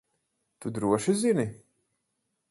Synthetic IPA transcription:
t̪ud̪ɾuɔʃizini

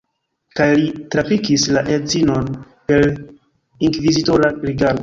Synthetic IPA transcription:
kajlitɾafikislaʔezino̞n | pe̞ɾ | iŋkvizitoɾaɾiɡaɾɡo

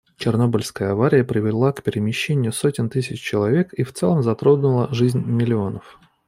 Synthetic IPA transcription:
t͡ɕɪrno̞bəlʲskəjəɐvaɾʲɪjəpɾʲɪvʲɪlˠakpʲɪɾʲɪmʲɪɕːenʲɪjʊsotʲɪnt̪ɨsʲɪt͡ɕt͡ɕɪlˠɐvʲe̞kift̪sɛlˠəmzɐt̪ɾod̪nʊlˠəʐɨzʲnʲmʲɪlʲɪo̞nəf

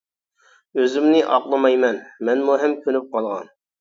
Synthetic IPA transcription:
øzymnɪʔɑqlˠɨmɑjmɛnmɛnmuɦɛmkʲʰønyp̚qʰɑlˠʁɑ̰n

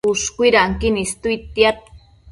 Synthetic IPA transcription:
uʃkuiɾaŋkinist̪uit̪jat̪̚

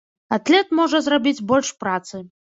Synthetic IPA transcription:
at̪lʲɛt̪mɔʐɐzrabʲit͡sʲbɔlʲʂpɾat̪sɨ

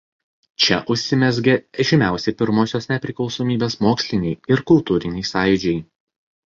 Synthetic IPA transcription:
t͡ʃʲɛʔʊʃʲsʲɪmʲɛzʲɡʲeɛʒʲɪmʲæˑʊsʲɛpʲɪɾmoːsʲoːsnʲɛpʲɾʲɪklˠɒʊsoːmʲiːbʲeːsmoːksʲlʲɪnʲɛɪɪɾkʊlˠt̪uːɾʲɪnʲɛɪsɑːjd͡ʒʲɛɪ

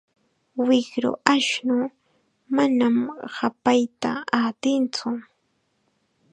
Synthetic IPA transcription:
wɪkɾʊ̰ʔaʃnʊ | manamhapajt̪a̰at̪ɪnt͡sʊ

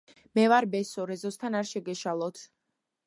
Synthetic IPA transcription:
mɛvaɾbɛsɔɾɛzɔst̪ʰanaɾʃɛɡɛʃalˠɔt̪ʰ

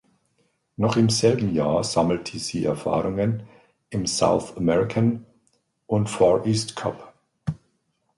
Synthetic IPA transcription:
nɔχɪmzɛlbm̩jaːɐz̥aml̩tʰisiːʔɛɐfa̰ːʁʊŋən | ɪmsa̰ʊθamɛʁɪkʰan | ʔʊntfaːɐʔiːstkʰa̰p

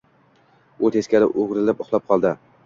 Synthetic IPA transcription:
ʊt̪ʰeskʲalɪʔoʁɾɪlapʊχlˠɒp̚qʰɒlˠd̪ɪ

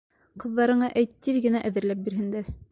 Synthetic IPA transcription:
qɤ̆ðːɑɾɤ̆ɴɑʔæjt̪ːiðɡɘ̆næʔæ̆ðɘ̆ɾlæp̚biɾɦɘ̆nd̪æɾ

